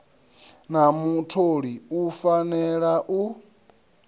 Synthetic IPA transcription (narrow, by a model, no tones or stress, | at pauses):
namutʰoɺiufanɛɺaʔu